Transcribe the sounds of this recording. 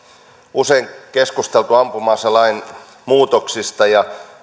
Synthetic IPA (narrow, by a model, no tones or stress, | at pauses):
useiŋkeskust̪elt̪uɑmpumɑːselːɑin | muːt̪oksist̪ɑjɑ